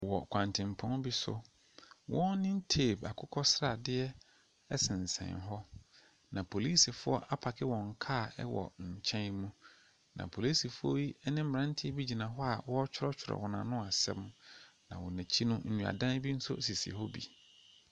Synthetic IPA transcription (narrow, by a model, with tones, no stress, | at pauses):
wɔ˨kʷʰã˨ntʰɪ̃˨mpʰɔ̃˦nbi˦sʊ̰˦ | wɔ̃˦nnːɪ̃˦n˦tʰeː˦˨ba˨kʰʊ˦kʰɔ˦sɾa˨dɪ˦ɛ˦ | ɛ˦sɪ̃˨n˨sɛ̰̃˨nɦɔ˦ | nã˨pʰo˨li˦si˨fʊ˦ɔ˦ʔa˦pʰa˨kʰɪ˦wɔ̃˨ŋ̩˨kʰaː˦˨ɛ˦wɔ̰˨ɲ̩˨t͡ɕʰɛ̃˦nmũ˦ | nã̰˨pʰo˨li˦si˨fʊ˦ɔ˦ji˦ɛ˦nɪ̃˦m̩˦m˨ɾã˦n˦tʰɪ˦bi˦d͡ʑi˨nã˨ɦɔ˦a˨wɔ˦t͡ɕʰᶣʊ˦ɾɔ˦t͡ɕʰᶣʊ˨ɾɔ̰˨wɔ˨nã̰˨nʊ̃˦a˨sɛ̰̃˦mnã̰˨wɔ˨næ˨t͡ɕʰi˦nʊ̃˦n̩˦nũ˨a̰˨dã˦n˦bi˦n̩˦sʊ̰˦˨si˨sḭ˨ɦɔ˦bḭ˨